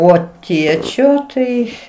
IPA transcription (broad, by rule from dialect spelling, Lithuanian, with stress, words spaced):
ˈoː ˈtʲiɛt͡ʃʲoː ˈtɐɪ